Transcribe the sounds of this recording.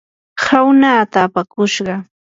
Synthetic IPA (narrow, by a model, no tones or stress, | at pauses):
hawnaːt̪aːpakʊʃɢɑ